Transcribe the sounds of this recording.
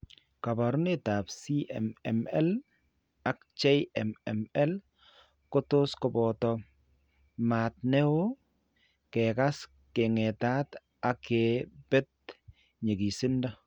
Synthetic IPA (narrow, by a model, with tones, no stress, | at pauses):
ka˨ba˨ɾʊ˦ne˦ta˨psi˦ʔɛ̰˨mɛ̰˨mɛ˦l | a˨kt͡ʃe˦ʔɛ˨mɛ̰˨mɛ˦l | ko˦to˦skɔ˨bɔ˨tɔ˦ | ma˨t̚nɛ˦o˦ | kɛ˨ka˦s | ke˨ŋɛ˨ta˦t | a˨ke˨b̥ɛ˦t̚ | ɲe˨ɡi˨sɪ˦nda˦